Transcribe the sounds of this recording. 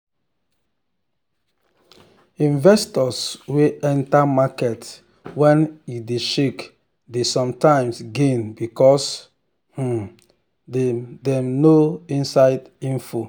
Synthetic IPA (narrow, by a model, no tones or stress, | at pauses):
ĩnvɛstɔsweɛ̃ntamakɛt | wɛ̃njideʃek | desɔ̃mtãɪ̃msɡẽnbikɔs | h̩ | dedɛmnoĩnsaɪd | ĩnfo